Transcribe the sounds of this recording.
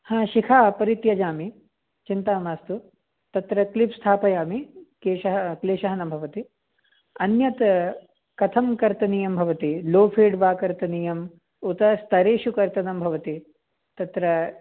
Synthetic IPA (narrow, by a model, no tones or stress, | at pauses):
hãːʃikʰaːpɐɾit̪jɐd͡ʒaːmi | t͡ʃint̪aːmaːst̪u | t̪ɐt̪ɾɐklipst̪ʰaːpɐjaːmikeːʃɐɦɐkleːʃɐɦɐnɐmbʱɐʋɐt̪i | ɐnjɐt̪ | kɐt̪ʰɐmkɐɾt̪ɐniːjɐmbʱɐʋɐt̪iloːpʰeːɖʋaːkɐɾt̪ɐniːjɐm | ut̪ɐst̪ʰɐɾeːʃukɐɾt̪ɐnɐmbʱɐʋɐt̪i | t̪ɐt̪ɾɐ